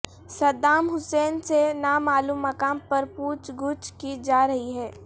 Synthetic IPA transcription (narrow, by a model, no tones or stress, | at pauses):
sɐd̪aːmɦʊsɛːnsenamaːluːmːɐkaːmpɐɾpuːt͡ʃɡʊt͡ʃkid͡ʒaːɾɐɦiɦɛː